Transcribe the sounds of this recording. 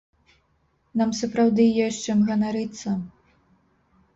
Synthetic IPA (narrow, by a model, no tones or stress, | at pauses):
namsɐpɾawd̪ɨjɔt͡ʂɨmɣɐnaɾɨt̪sːɐ